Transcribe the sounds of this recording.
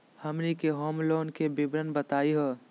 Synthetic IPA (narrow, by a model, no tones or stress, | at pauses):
hɐmnikeɦɔːmloːnkebɪbɾənbət̪aːiɦoː